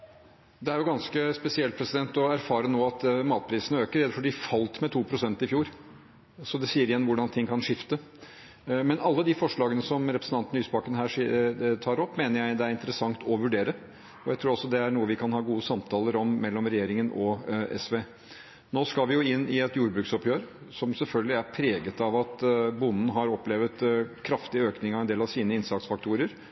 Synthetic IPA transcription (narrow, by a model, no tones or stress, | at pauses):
d̪ɛæɾjʊɡɑnskəspɛsɪɛlt̪̚pʰɾɛsɪd̪ɛnt̪ɔæɾfɑːɾənoːɑt̪mɑːt̪̚pʰɾiːsənəøːkəɾɛd̪əfɔɖɪfɑlt̪mɛt̪ʰuːpʰɾʊsɛnt̪ɪfjuːɾ | sɔd̪ɛsiːəɾɪjɛnːʋʊɖɑnt̪ʰɪŋːkʰɑnʂɪft̪ə | mɛnɑlːəd̪ɪfɔʂɭɑːɡənəsɔmɾɛpɾəsn̩t̪ɑnt̪ənyːsbɑkənɦæːʂt̪ʰɑːɾɔpːmeːnəɾjæɪd̪ɛæɾɪnt̪əɾəsɑŋt̪ʰɔʋʉɖeːɾə | ɔjæɪt̪ʰɾuːɾɑlsɔd̪ɛæɳuːəʋɪkʰɑnhɑːɡuːəsɑmt̪ʰɑːləɾɔmːɛlːɔmɾɛjeːɾɪŋənʔɔʔɛ̰sʋeː | noːskɑlʋɪjʊɪnːɪɛt̪juːɾbɾʉːksɔpjøːɾ | sɔmsɛlfœlɡəlɪæɾpʰɾeːɡət̪ɑʋɑt̪bʊnn̩ɦɑɾɔpːleːʋət̪kʰɾɑft̪ɪəøːknɪŋɑʋɛnd̪eːlɑʋsiːnəɪnsɑtsfɑk̚t̪ʰuːɾəɾ